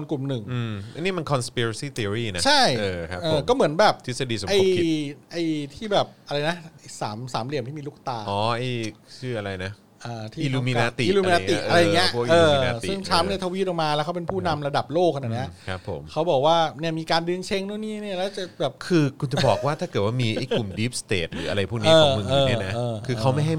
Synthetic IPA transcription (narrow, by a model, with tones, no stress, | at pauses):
o˧nklu˨˩mnɯ˨˩ŋɯ˧˥niː˥˩me˧nkʰɔ˧nspi˧ɾa˧siː˥˩t̪i˧ɾiː˥˩na˦˥t͡ɕʰa˥˩jːʰa˦ʔɤː˧˩kɔː˥˩mɯ˩˦ənbɛː˨˩p̚t̪ʰi˦˥sa˧diː˧so˨˦ʔa˧˩jʔa˧˩jt̪ʰiː˥˩bɛː˨˩p̚ʔa˧ɾa˧jna˦˥˨saː˩˦msaː˩˦mli˨˩əmt̪ʰiː˥˩iː˧lu˥˩k̚t̪aː˧ɔː˨˦ʔa˧˩jt͡ɕʰɯː˥˩ʔa˧ɾa˧jna˦˥ | ʔaː˧t̪ʰiː˦iː˧luː˧mi˧naː˦˥t̪iː˨˧luː˧miː˧naː˦˨i˨˦˩ʔa˧ɾa˧ja˧˨˩ŋi˦˥ʔʔɤː˧na˦t̪isɯ˩˥˩ŋt͡ɕʰa˦˥mni˥˩t̪ʰa˧wi˦˥t̪̚ɔː˨˩maː˧lɛː˧˦˥wkʰa˦˥wpe˧npʰuː˥˩˧na˧mɾa˧da˨˩p̚loː˥˩k̚ʔa˧na˧˩ni˦˥ɐkʰa˦˥pʰːo̰˩˦mkʰa˦˥wbɔː˨˩k̚waː˥˩ni˥˩ɐmiː˧kaː˧ndɯ˧ŋt͡ɕʰe˧˥˩ŋnu˥˩niː˥˩ni˥˩ɐlɛː˦˥˩wt͡ɕa˨˩bɛː˨˩p̚kʰɯː˧kʰu˧nt͡ɕa˨˩˨bɔː˨˩k̚waː˥˩t̪ʰaː˥˩kɤː˨˩t̪̚waː˥˩miː˧ʔa˥˩ku˨˩mdiː˦˥p̚st̪ḛː˨˩t̪̚ɾɯː˩˦ʔa̰˧ɾa˧jpʰuː˥˩niɤː˦˧˩mɯ˨˧ŋː˦˧n˦˥˩na˦˥ɤː˧kʰɯː˧kʰa˦˥wma˥˩jɦa˥˩j